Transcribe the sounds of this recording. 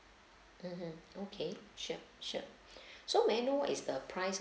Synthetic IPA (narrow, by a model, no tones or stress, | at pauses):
m̩m̥m̩okʰeʃṵʃṵ | somɛ̃noɪsdəpʰɹaɪs